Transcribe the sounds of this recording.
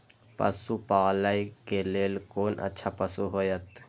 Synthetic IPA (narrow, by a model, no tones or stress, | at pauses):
pə̰supaːlaikeleːlkoːnʔə̰tːʃʰapəsuɦoːjət̪